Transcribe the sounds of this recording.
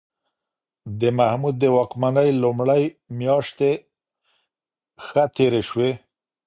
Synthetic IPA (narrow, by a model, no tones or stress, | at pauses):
d̪əmahmud̪̚ːəwɑkmanəjlʊmɽəjmjɑʂt̪e | xət̪eɾeʃwe